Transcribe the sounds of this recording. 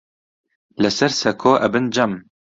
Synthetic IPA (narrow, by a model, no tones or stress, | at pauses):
lɛsɛɾsɛkʰoːʔɛbɨnd͡ʒɐm